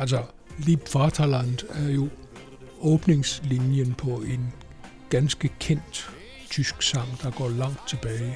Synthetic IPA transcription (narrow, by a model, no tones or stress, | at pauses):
æls̬ɒ | lib̥fɑt͡sʰɑlænd̥æɐjo̝ | ʔɔ̽ːb̥ne̝ŋslinjənpʰɒ̽e̝n | ɡ̥ænsɡ̥əkʰen̰d̥ | t͡sʰysɡ̥sɑ̈ŋ̰d̥ɑ̈ɡ̥ɒ̰ːlɑ̈ŋ̰d̥̚t͡sʰe̝b̥ɛːɪ